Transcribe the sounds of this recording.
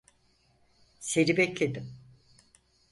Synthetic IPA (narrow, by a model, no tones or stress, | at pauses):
se̞ɾibɛclʲe̞d̪im